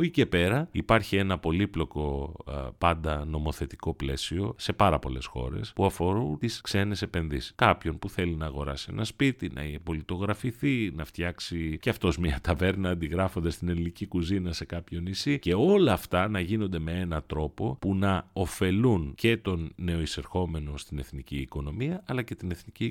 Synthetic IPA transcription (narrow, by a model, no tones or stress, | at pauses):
oice̞pe̞ɾɐipɐɾçie̞nɐpo̞liplo̞ko̞pɐnd̪ɐno̞mo̞θe̞t̪iko̞ple̞sio̞se̞pɐɾɐpo̞̰le̞̰sxo̞̰ɾe̞̰spuɐfo̞ɾunt̪iskse̞ne̞se̞pe̞nðisi̥skɐpço̞npuθe̞linɐːɣo̞ɾɐ̰sie̞̰nɐspit̪inɐ̰ipo̞lit̪o̞ɣɾɐfiθinɐft̪çɐksiceɐft̪o̞zmiɐt̪ɐve̞ɾnɐːnd̪iɣɾɐfond̪est̪inelinicikuzinɐse̞kɐpço̞nisice̞o̞lɐːft̪ɐnɐʝinond̪e̞me̞e̞nɐt̪ɾo̞po̞punɐo̞fe̞lunce̞t̪o̞nːe̞o̞ise̞ɾxo̞me̞no̞st̪ine̞θniciːko̞no̞miɐʔɐlɐce̞t̪ine̞θnici